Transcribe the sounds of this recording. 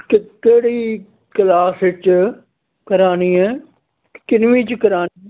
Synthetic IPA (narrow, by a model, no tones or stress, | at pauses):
kkeːɽiː | kəlaːsɪt͡ʃ | kɐɾaːniːɛː | kɪnʋĩːt͡ʃkɐɾaːn